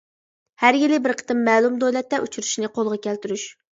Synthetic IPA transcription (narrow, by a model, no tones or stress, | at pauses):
hæɾjɪlɪbɪɾqʰə̥t̪ɨmːɛːlˠumd̪ojlɛt̪ːɛʔut͡ʃʰyɾu̥ʃnɪqʰolˠʁɑkʲælt̪yɾyʃ